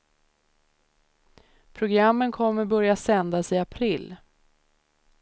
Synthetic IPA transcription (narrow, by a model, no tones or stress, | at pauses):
pʰɾʊɡɾamːənkʰɔmːəɾbœɾjasɛnd̪asɪapʰɾɪlː